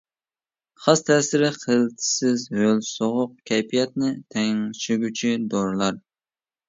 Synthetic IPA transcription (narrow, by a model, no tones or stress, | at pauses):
χɑst̪ʰɛsɪɾɪχəlt̪ʰɪ̥sɪzhølsoʁʊq̚kʲʰɛjpʰijɛt̪̚nɪt̪ʰɛŋŋʃyɡʲyt͡ʃʰid̪ɔɾlˠɑɾ